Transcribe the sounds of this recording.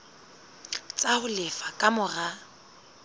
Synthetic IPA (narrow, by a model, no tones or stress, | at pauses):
t͡sʼahʊlɪfakʼamʊra